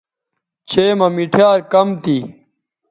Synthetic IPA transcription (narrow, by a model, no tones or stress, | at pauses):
t͡ɕʰeːmɐmiʈʰjaːɾkɐmt̪iː